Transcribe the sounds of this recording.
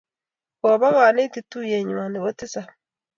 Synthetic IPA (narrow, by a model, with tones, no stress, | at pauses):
ko˨βa˦ɣaː˨ne˦ti˦tu˦je˨ɲwaː˨ndi˨βo˦ti˦sa˨